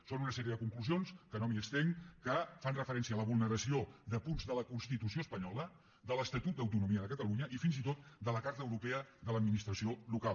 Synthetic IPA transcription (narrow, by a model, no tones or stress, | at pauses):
sonunəsɛɾiəðəkuŋkluzionskənomiəkst̪eŋkəfanrəfəɾɛnsiəːləβulˠnəɾəsiod̪əpunzðələkunst̪it̪usioəspəɲɔlə | d̪ələst̪ət̪ut̪̚əwt̪unumiəðəkət̪əluɲəʔifinzit̪ot̪d̪ələkaɾt̪əwɾupeəðələd̪minist̪ɾəsiolukalˠ